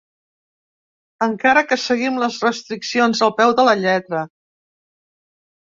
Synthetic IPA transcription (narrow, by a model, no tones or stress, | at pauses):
əŋkaɾəkəsəɣimləzrəst̪ɾiksionzəlˠpɛwðələʎɛt̪ɾə